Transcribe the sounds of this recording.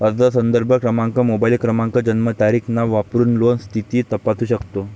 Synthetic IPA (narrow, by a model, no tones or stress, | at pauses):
ʋad̪ət̪as̬ənd̪əɾbʱəkɾəmãŋkəmobailkɾəmãŋkəd͡ʑənmət̪aɾikʰnaʋapɾuːnlonst̪ʰit̪iːt̪əpat̪ʰuːɕəkt̪o